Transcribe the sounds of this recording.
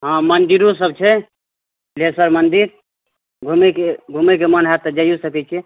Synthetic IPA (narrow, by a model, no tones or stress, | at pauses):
ɦãmənd̪iɾos̬əb̚t͡ʃʰɛ | lesəɾmənd̪iɾ | ɡʱumekeɡʱumekemənɦat̪əd͡ʒajosəkɛt͡ʃʰɛ